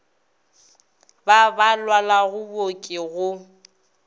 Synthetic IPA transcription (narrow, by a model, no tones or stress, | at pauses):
babalwalaɣʊbokʼɪɣʊ